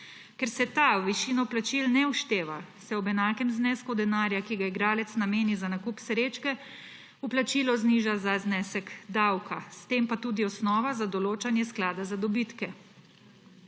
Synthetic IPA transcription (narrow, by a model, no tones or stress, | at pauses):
kɛɾsɛt̪awʋiʃiːnɔplat͡ʃilnɛuʃt̪eːʋa | sɛɔbɛnaːkɛmznɛːskud̪ɛnaːɾjakiɡaiɡɾaːlɛt̪snameːnizanakuːpsɾeːt͡ʃkɛ | uplat͡ʃiːlɔzniːʒazaznɛːsɛkd̪awkʰast̪eːmpat̪uːd̪iɔsnɔːʋazad̪ɔloːt͡ʃanjɛsklaːd̪azad̪ɔbit̪kɛ